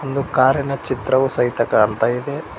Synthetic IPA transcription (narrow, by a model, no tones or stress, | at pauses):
ond̪ukaːɾjɐnɐt͡ʃit̪ɾɐʋusɐɦit̪ɐkɐːnt̪aːjid̪e